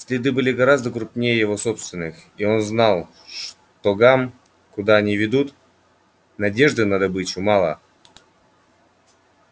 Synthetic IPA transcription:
sʲlʲɪd̪ɨbɨlʲɪɡɐɾazd̪əkɾʊpnʲejəjɪvo̞so̞pst̪vʲɪnːɨxio̞nznalˠ | ʂ | t̪oɡam | kʊd̪aɐnʲivʲɪd̪ut̪ | nɐdʲe̞ʐd̪ɨnad̪ɐbɨt͡ɕʊmalˠə̰

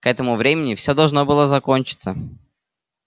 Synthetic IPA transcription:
kɛt̪əmʊvɾʲemʲɪnʲɪfsʲod̪ɐlˠʐno̞bɨlˠəzɐkonʲt͡ɕɪ̥t̪sə

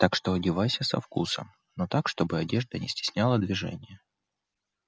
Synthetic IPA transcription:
t̪akʂt̪oɐdʲɪvajsʲəsɐ̰fkṵsə̰m | not̪akʂt̪o̞bɨɐdʲe̞ʐd̪ənʲɪsʲtʲɪ̥sʲnʲalˠəd̪vʲɪʐɛ̰nʲɪjə

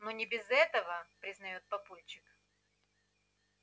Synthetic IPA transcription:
nonʲɪbʲɪzɛt̪əvəpɾʲɪznɐjot̪̚pɐpulʲt͡ɕɪk

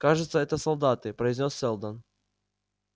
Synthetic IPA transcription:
kaʐɨt̪səɛt̪əsɐlˠd̪at̪ɨpɾəɪzʲnʲosːʲɛlˠd̪ən

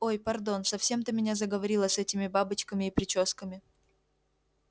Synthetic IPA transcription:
o̞jpɐrd̪o̞nsɐfsʲe̞mt̪ɨmʲɪnʲazəɡəvɐɾʲilˠəsɛtʲɪmʲɪbabɨt͡ɕkəmʲɪːpɾʲɪt͡ɕoskəmʲɪ

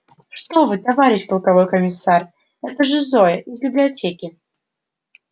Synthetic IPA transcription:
ʂt̪ovɨt̪avaɾʲɪɕʲpəlˠkavojkəmʲɪsar | ɛt̪əʐɨzojəʔizbʲɪblʲɪat͡sʲekʲɪ

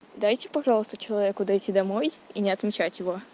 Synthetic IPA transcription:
d̪ajtʲɪpɐʐɑlˠəst̪ət͡ɕɪlˠɐvʲekʊd̪ɐjtʲid̪ɐmo̞jinʲɪɐt̪mʲɪt͡ɕætʲjɪvo̞

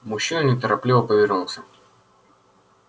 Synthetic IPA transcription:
mʊɕːinnʲɪt̪əɾɐplʲivəpəvʲɪrnulˠsʲə

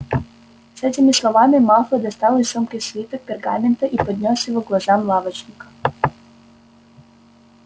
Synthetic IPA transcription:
sɛt̪ʲimislˠovamimalˠfəd̪est̪alisɔmkesvʲit̪ək̚peɾɡament̪əʔipod̪nʲɔsivoɡlˠazamlˠavət͡ʃnʲikə̥

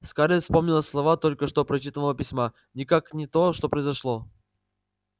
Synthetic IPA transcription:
skaɾʲefspomnʲɪlˠəslˠɐvat̪olʲkəʂt̪opɾɐt͡ɕit̪əvəlˠəpʲɪsʲma | nʲɪkaknʲɪt̪oʂt̪opɾəjzɐʂlˠo

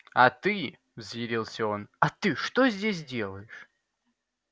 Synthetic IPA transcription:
ɐt̪ɨ | vzjɪɾʲilˠsʲəo̞nɐt̪ɨʂt̪ozʲdʲes̬ʲdʲe̞lˠəjɪʂ

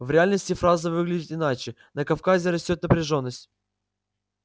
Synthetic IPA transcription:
vɾʲɪalʲnəsʲtʲɪfɾazɨvɨɡlʲɪdʲɪt̪ɪnat͡ɕɪ | nəkɐfkazʲɪɾɐsʲtʲot̪nəpɾʲɪʐo̞nːəsʲtʲ

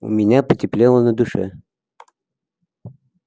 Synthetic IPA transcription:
ʊ̰mʲɪnʲapətʲɪplʲelˠənəd̪ʊʂɛ̰

